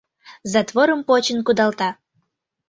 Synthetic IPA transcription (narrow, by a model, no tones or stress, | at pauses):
zɑt̪voɾəmpot͡ɕənkud̪ɑlt̪ɑ